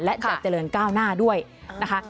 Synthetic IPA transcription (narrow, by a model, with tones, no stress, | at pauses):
lɛ˦˥t͡ɕaː˨˩t͡ɕa˧lɤː˧˩nkaː˥˩wnaː˥˩du˥˩əjna˦˥kʰa˦˥˩